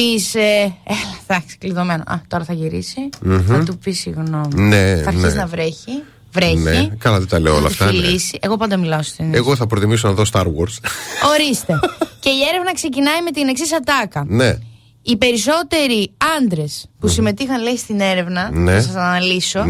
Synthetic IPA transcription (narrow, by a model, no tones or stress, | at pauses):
piseelɐd̪ɐksi̥kliðo̞me̞no̰ʔɐ̰t̪o̞ɾɐθɐʝiɾisinɐtt̪upisiɣno̞mineɐɾiznɐvɾeçi | vɾeçneikɐlɐt̪it̪ɐleoo̰lɐ̰ft̪ɐlisiʔeɣo̞pɐnd̪ɐmilɐost̪ineɣɣoθɐpɾot̪imis̬onɐðost̪ɐɾwo̰ɾso̞ɾist̪e̞ce̞ieɾe̞vnɐkse̞cinɐime̞t̪ine̞ksisɐt̪ɐkɐne | ipe̞ɾiso̞t̪e̞ɾiɐnd̪ɾe̞spusime̞t̪ixɐnleist̪ine̞ɾe̞vnɐneɐsɐsɐnɐliso̞